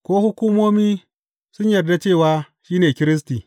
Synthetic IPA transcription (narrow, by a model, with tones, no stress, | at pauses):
kʷoː˦hʊ˦kʷuː˦moː˦miː˦ | sʊ˦ɲjɐ˨rda˦t͡ʃeː˦˨waː˦ | ʃiː˦neː˨kʲɪ˦ɾɪ˦s̬tiː˨